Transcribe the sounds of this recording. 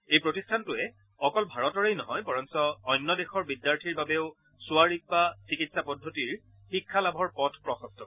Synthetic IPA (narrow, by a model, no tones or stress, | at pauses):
ejpɹotistʰantʊɛ | ɔkɔlbʱaɹɔtɔɹejnɔɦɔjpɔɹɔnsɔːjnːɔdexɔɹbidjaɹtʰiɹbabeʊ | sʊaɹik̚basikitsapɔdʱːotiɹ | xikʰːalabʱɔɹpɔtʰpɹɔxɔstɔ